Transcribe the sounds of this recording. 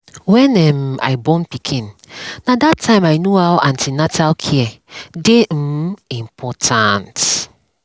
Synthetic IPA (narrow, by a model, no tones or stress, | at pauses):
wɛ̃nɛma̰jbɔ̃npikʰĩnnadatʰːãɪ̃majnuawãntʰinatʰalkʰiɛdeĩmpʰɔtʰãnt